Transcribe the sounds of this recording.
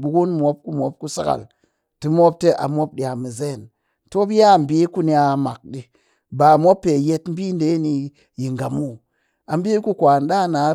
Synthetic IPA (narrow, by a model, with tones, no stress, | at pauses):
bu˨˧ɡu˦nmo˦p̚ku˦mʷo˨˦p̚ku˦sa˦ɡa̰˨l | ti˦mo˦p̚te˦ʔa̰˨mʷo˦p̚ɗi˨a˨mi˨ze˦˨n | to˦bi˦ja˦˨m̩˨bi˦ku˦ni˦a˧˨ma˨k̚ɗi˧ | ba˨mʷo˦pːe˨je˧tm̩˦bi˦n˦de˨˦ni˧ | ji˨ŋ˨ɡa˨mu˦˨ | a˨m̩˦bʲi˦ku˦kʷa˨n˦ɗa˦˨na˨˦